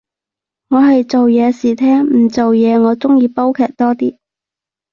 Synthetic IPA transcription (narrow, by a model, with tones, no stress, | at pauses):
ŋɔː˨˧ɦɐ˨jt͡so˨wjɛː˨˧siː˨˩t̪ʰɛː˥ŋm̩˨˩t͡so˨wjɛː˨˧ŋɔː˨˧t͡sʊ˥ŋjiː˨˧po˥wkʰɛː˨˩k̚t̪ɔː˥t̪iː˥